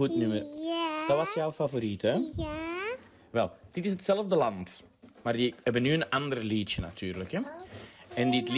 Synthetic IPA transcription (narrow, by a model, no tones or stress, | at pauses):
utnʏməd̥ɑtʋɑsjɔwfavoɾitə | ʋɛlˠd̥ɪtɪsɦətsɛləvdəlɑnt | maːrdiɦɛbənːyənɑndərlitjəna̰tʰyːrləkɛ | ɛndɪtl